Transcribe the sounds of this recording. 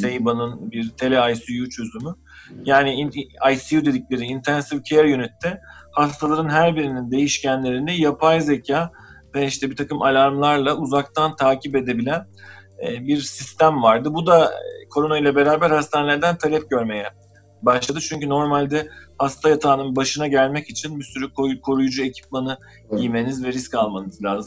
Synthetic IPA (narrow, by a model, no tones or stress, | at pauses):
sejbanɯnbiɾt̪ʰe̞lʲɛajsijut͡ʃʰø̞zymy | jaːniajsijud̪e̞d̪iclʲe̞ɾiːnt̪ʰænsivcʰeɛɾjønyt̪ʰːɛhast̪ʰalˠaɾɯnɦæɾbiɾinind̪e̞jiʃcænlʲe̞ɾinijapʰajze̞cʰaː | vɛiʃt̪ʰɛbit̪ʰakɯmalʲaɾmlˠaɾlˠauzak̚t̪ʰant̪ʰaːcʰipe̞d̪e̞bilʲæn | biɾsist̪æmvaɾd̪ɯbud̪akʰo̞ɾo̞nojlʲˠɛbe̞ɾaːbæɾhast̪ʰanelʲæɾd̪ænt̪ʰalʲɛp̚ɟø̞ɾme̞jɛ | baʃlˠad̪ɯt͡ʃʰyɲcyno̞ɾmalʲd̪ɛhast̪ʰajat̪ʰaːnɯnbaʃɯnaɟælʲmɛcit͡ʃʰinbisyɾykʰokʰo̞ɾujud͡ʒue̞cʰi̥planɯ | ijime̞nizvɛɾiscalˠmanɯzlʲaːzɯm